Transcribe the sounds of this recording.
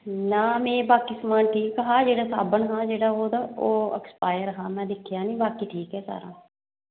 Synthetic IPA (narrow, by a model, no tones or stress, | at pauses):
naːmɛ̃ːbaːkiːsəmaːnʈʰiːkɦãːd͡ʒeːɽaːsa̰ːbənɦãːd͡ʒeːɽaːoːd̪aːoːə̰kspaːjəɾɦãːmɛ̃ːd̪ɪkʰːɪjaːnĩːbaːkiːʈʰiːkɦɛːsa̰ːɾã̰ː